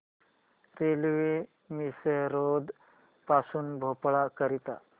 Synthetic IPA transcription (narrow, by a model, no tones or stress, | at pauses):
ɾelʋe | miseɾod̪ | pasuːnbʱopɭakəɾit̪a̰